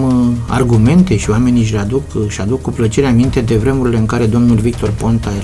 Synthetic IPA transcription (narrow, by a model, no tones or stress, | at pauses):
ma̰rɡume̞nt̪e̞ʃioame̞niʃ̬lead̪ukʃad̪ukːuplət͡ʃeɾeamint̪e̞d̪e̞vɾe̞muɾile̞ɨŋkaɾe̞d̪o̞mnulvik̚t̪o̞rpo̞nt̪ae